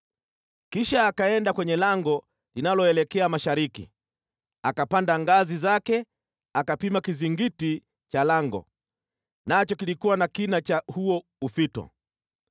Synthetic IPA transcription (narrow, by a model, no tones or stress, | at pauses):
kiʃaːkaɛndakwɛɲɛlaŋɡɔ | linalɔɛlɛkɛamaʃaɾikḭ | akapandaŋɡazizakɛ | akapimakiziŋɡiti | t͡ʃalaŋɡɔ̰ | nat͡ʃɔkilikuwanakinat͡ʃahuɔ | ufitɔ̰